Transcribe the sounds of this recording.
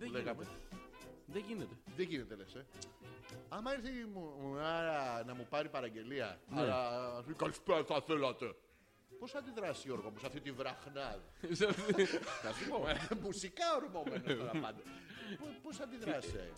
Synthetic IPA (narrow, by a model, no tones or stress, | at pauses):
ðeleɣɐme | ðeʝinet̪eðeʝinet̪elese | ɐmɐiɾθemumuɐnɐmupɐɾipɐɾɐɟe̞liɐ̰ɐlɐskɐlispeɐθɐθelɐt̪e̞ | posθɐnd̪iðɾɐsio̞ɾɣomusɐft̪it̪ivɾɐxnɐðisɐfnɐsupomusikɐoɾmomenooɾɐpɐnd̪ɐpoposθɐnd̪iðɾɐsḛ